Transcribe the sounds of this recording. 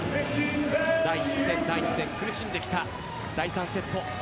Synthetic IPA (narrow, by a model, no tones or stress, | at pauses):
d̪aisẽnd̪aiɲĩsẽ̞ŋkɯ̟ɾɯ̟ɕĩnd̪e̞kʲi̥t̪a | d̪aisãɰ̃se̞t̪ːo̞